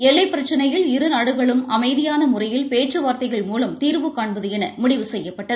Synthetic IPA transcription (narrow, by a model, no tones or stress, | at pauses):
ɛlːɐɪpːɪɾɐt͡ʃːɐnɐjɪlɪɾɯnaːɽɯɣɐɭɯmɐmɐɪðɪjaːnɐmʊrɐjɪlpeːʈt͡ʃɐʋaːɾt̪ɐɪɣɐɭmuːlɐmt̪iːɾʋɯkːaːɳbɐðɯɛnɐmʊɽɪʋɯsɛjːɐpːɐʈːɐð